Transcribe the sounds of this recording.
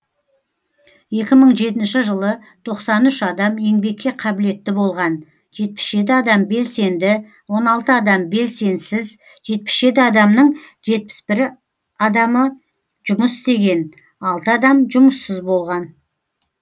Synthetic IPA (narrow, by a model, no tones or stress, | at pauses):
je̞kʲɪməɴʒe̞t̪ɪnʃɪʒəlˠət̪ʰo̞qsɑnʏʃɑd̪ɑmje̞ŋbe̞kʲːe̞qʰɑbɪle̞t̪ːɪbo̞lˠʁɑn | ʒe̞t̪̚pɪ̥sʒe̞t̪̬ɪɑd̪ɑmbe̞lse̞nd̪ɪ | wo̞nɑlˠt̪əɑd̪ɑmbe̞lse̞nsɪz | ʒe̞t̪̚pɪ̥sʒe̞t̪̬ɪɑd̪ɑmnəɴʒe̞t̪̚pɪ̥sbɪɾ | ɑd̪ɑmə | ʒʊməsɪst̪e̞ɡʲe̞n | ɑlˠt̪əɑd̪ɑmʒʊməsːəzbo̞lˠʁɑn